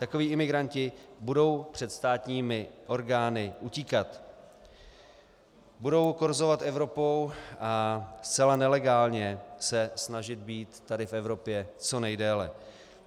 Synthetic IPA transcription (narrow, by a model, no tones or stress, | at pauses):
t̪ako̞viːʔɪmɪɡɾancɪbudo̞wpr̥ɛt̪st̪aːt̪ɲiːmɪʔo̞ɾɡaːnɪʔuciːkat̪ | budo̞wkoɾzo̞vat̪ʔɛvɾo̞po̞wʔast͡sɛlanɛlɛɡaːlɲɛsɛsnaʒɪd̪̚biːt̪ːadɪfɛvɾo̞pjɛt͡so̞nɛjdɛːlɛ̰